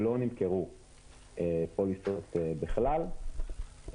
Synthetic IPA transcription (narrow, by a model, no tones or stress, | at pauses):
lo̞nimkeʁu | epolisot̪ebiχlal